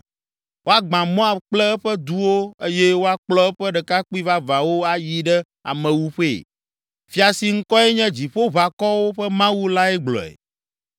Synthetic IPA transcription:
wo˦a˦ɡ͡bã˨mɔ̃˦a˨k͡plɛ˦ɛ˦ɸɛ˦d̪u˦wo˦e˦jɛ˦wo˦a˦k͡plɔ˦ɛ˦ɸɛ˦ɖɛ˨ka˦k͡pi˦va˦va˨wo˦a˦ji˦ɖɛ˦ | a̰˨mɛ̃˨wu˦ɸe˦˨ | fi˦a˨si˨ŋ̩˦kɔ˦ɛ˦ɲɛ̃˦d͡ʑi˨ɸo˦va˨kɔ˦wo˦ɸɛ˦mã˦wu˦la˦ɛ˦ɡ͡blɔ̰˨ḛ˨

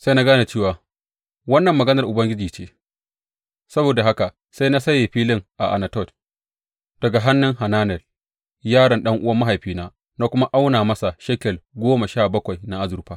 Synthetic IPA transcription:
sa˦jna˦ɡaː˦na˨t͡ʃeː˦˨waː˨ | wɐ˦nːɐ˨mːɐ˨ɡɐ˦nɐ˨rʔʊ˨bɐ˦ŋɡʲɪ˦d͡ʒiː˨t͡ʃeː˦ | sɐ˦boː˨da˨ɦa˦ka˨ | sa˦jna˦sɐ˦jeː˨ɸiː˦lɪ˦ŋʔa˨ʔa˨na˨tɔ˦˨t | d̥ɐ˨ɡa˨ɦa˦nːɪ˦ŋha˨naː˦nɛ˨l | jaː˦ɽɐ˨nɗɐ˦ŋʔʊ˦wɐ˦mɐ˦ɦa˨jɸiː˦naː˦ | naː˦kʷʊ˦ma˦ʔa˦wnaː˨mɐ˦sa˨ʃɛ˦kʲɛ˨lɡʷoː˦ma˨ʃaː˦˨bɐ˦kʷa˨jna˦ʔa˦zʊ˨ɾɸaː˦

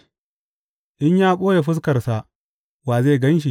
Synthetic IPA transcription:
ʔɪ˦ɲjaː˦ɓʼoː˦je˨ɸɪ˦s̬kɐ˨rsa˨ | waː˨zeː˦˨ɡɐ˦nʃ̬i˨

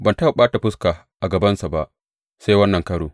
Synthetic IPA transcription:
bɐ˨nta˦a˨ɓaː˦ta˨ɸʊ˦skaː˨ | ʔa˨ɡɐ˨bɐ˦nsa˨ba˦ʔ | sa˦jwɐ˦nːɐ˨ŋkɐ˦ɽoː˨

